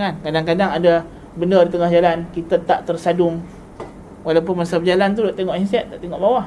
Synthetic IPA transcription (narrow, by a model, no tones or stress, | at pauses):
ankadaŋkadaŋada | bəndərdit̪əŋahd͡ʒalankit̪at̪aʔt̪ərsadʊŋ | walawpʊnmasabəd͡ʒalant̪̬udaʔt̪eŋɔʔinsɛt̪ːaʔt̪eŋɔʔbawah